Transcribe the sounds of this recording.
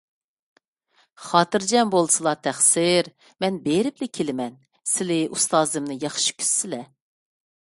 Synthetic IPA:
χɑːt̪ɨɾd͡ʒɛmbolˠsɨlˠɑt̪ʰæχsɪɾ | mɛnbeɾɪplɪkʲʰelɪmɛn | sɪlɪʔust̪ɑːzɨmnɨjɑχʃi̥kʲʰy̥ssɪlɛ

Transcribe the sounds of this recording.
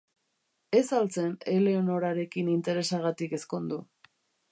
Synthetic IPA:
e̞salt͡se̞ne̞le̞ono̞ɾaɾe̞kinint̪e̞ɾe̞saɣat̪ike̞sko̞nd̪u

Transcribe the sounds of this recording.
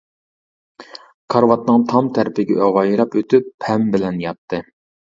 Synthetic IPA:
kʰɑɾwɑt̪̚nɨŋt̪ʰɑmt̪ʰæɾpɪɡʲɛ̰ʔøʁɑjɾɑpøt̪ypʰɛmbɪlɛnjɑt̪ʰːɨ

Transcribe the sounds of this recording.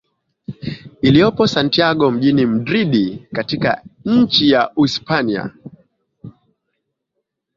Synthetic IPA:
ilijɔpɔsantiaɠɔm̩ʄinim̩dɾiɗikatika̰ɲ̩t͡ʃijauispania̰

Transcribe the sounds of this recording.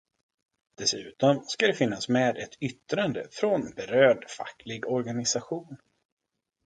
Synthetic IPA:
d̪̥ɛsʉ̟ːt̪ɔmskad̪ɛfɪnːasmeːd̪ɛt̪ʰʏt̪ːɾand̪ə̰fɾɔnbɛɾøːɖfa̰kːlɪɡɔɾɡanɪsaɧuːn

